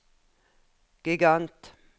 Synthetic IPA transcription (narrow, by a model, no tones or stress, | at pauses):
ɡ̥ɪɡant̪